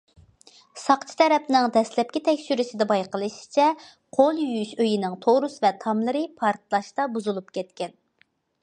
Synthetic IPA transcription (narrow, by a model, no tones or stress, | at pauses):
sɑqt͡ʃʰi̥t̪ʰɛɾɛpnɪŋd̪ɛslɛp̚kʲit̪ʰɛkʲʃyɾɪsɪd̪ɛbɑjqəlˠɨʃi̥t͡ʃʰɛ | qʰolˠjyyʃøjinɪŋt̪ʰoɾusvɛt̪ʰɑmlˠɨɾɨpʰɑɾt̪lˠɑʃt̪ɑbuzulˠupkʲʰɛt̪kʲɛn